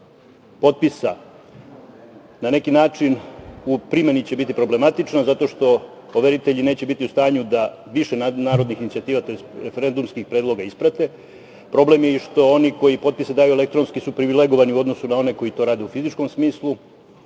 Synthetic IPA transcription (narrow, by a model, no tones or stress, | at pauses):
po̞t̪̚pisa | nane̞kinaːt͡ʂinupɾime̞nit͡ɕe̞bit̪ipɾo̞ble̞mat̪it͡ʂnazat̪o̞ʃt̪o̞ | oʋe̞ɾit̪e̞ʎine̞ːt͡ɕe̞bit̪iust̪aːɲud̪a | ʋiʃenanaːɾo̞d̪nixinit̪iat̪iːʋat̪o̞jest̪ɾefe̞ɾe̞nd̪umskixpɾeːd̪lˠo̞ɡaispɾat̪e̞ | pɾo̞blemje̞iʃt̪o̞o̞niko̞jipo̞t̪̚pised̪aːjuele̞kt̪ɾo̞nskisupɾiʋile̞ɡo̞ʋaniuo̞d̪no̞sunao̞ne̞ko̞jit̪o̞ɾaːd̪e̞ufizit͡ʃko̞msmiːslˠu